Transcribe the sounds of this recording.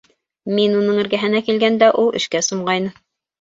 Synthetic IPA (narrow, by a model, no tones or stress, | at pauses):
minunɤɴɘ̆ɾɡæɦɘ̆nækilɡænd̪æʔulˠɘ̆ʃkæsŏmɢɑjnɤm